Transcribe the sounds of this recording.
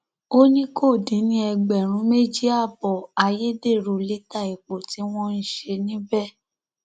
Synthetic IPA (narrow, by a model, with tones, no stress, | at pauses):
o˦nĩ˦kʰo˦˨dĩ˨˦nĩ˦ɛ˧ɡ͡bɛ˨ɾ̃ũ˨˦me˦d͡ʒi˦a˦˨bɔ˨a˧je˦de˦˨ɾo˨le˦ta˦˨i˨k͡po˨ti˦w̃ɔ̃˦n̩˦˨ʃe˧nĩ˦bɛ˦˨